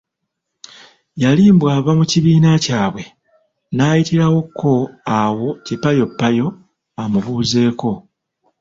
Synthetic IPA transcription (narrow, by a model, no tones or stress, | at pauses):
jaliːmbwaːβamuciβiːnacaːβwe̞ | naːjitiɾawo̞kʰːo̞awo̞cipajo̞pːajo̞ | amuβuːze̞ːko̞